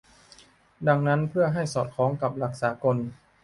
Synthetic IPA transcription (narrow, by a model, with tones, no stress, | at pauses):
da˧ŋna˦˥npʰɯ˥˩ɐɦa˥˩jsɔː˨˩t̪̚kʰɔː˩˦˥ŋka˨˩p̚la˨˩k̚saː˩˦ko˧n